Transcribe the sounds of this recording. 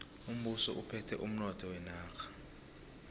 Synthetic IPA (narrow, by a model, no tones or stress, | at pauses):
um̩ɓusɔ̰ʔupʰɛtʰɛ̰ʔum̩nɔtʰɔwɛnaːkʰḁ